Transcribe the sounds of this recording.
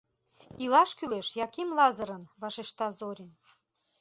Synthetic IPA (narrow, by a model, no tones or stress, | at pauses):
ilɑʃkyleʃjɑkimlɑzə̆ɾənβɑʃeʃt̪ɑzoɾʲin